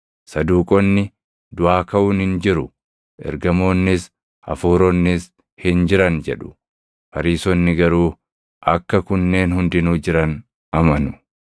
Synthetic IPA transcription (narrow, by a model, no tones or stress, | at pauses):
sɐd̪uːkʼɔnːɪ | d̪ʊaːkɐʔʊːnhɪnd͡ʒɪɾʊ | ʔɛ̰ɾɡɐmo̞ːnːɪs | ɐ̰fuːɾɔnːɪs | hɪnd͡ʒɪɾɐnd͡ʒɛᶑʊ̥ | pɐɾiːsɔnːɪɡɐɾuː | ʔɐkːɐkʊnːe̞ːnhʊnd̪ɪnuːd͡ʒɪɾɐn | ʔɐmɐnʊ